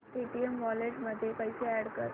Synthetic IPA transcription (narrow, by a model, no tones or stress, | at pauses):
piʈiemʋɔleʈməd̪ʱːjepəjseæɽkəɾ